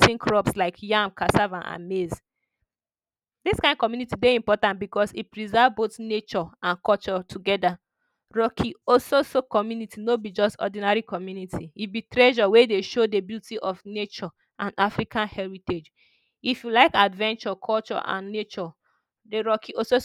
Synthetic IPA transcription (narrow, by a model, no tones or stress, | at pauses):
tĩŋkʰɹɔpslaɪkʰjãmkʰasavãnʔa̰mez | diskãɪ̃nd̚kɔmjunitideĩmpɔtãntbikɔsipɹizɛvbotnet͡ʃɔãnkɔlt͡ʃɔtʰuɡɛda | ɹɔkʰiɔsosokɔmjunitʰinobid͡ʒɔstɔ̰dinaɹikʰɔmjunitʰiibitɹɛʒɔwedeʃodebjutiʔɔfnet͡ʃɔ | ʔãnafɹikʰãnhɛɹited͡ʒ | ifjulaɪkadvɛ̃nt͡ʃɔkʰɔlt͡ʃɔ̰ʔã̰nːet͡ʃɔ | deɹɔkʰiɔso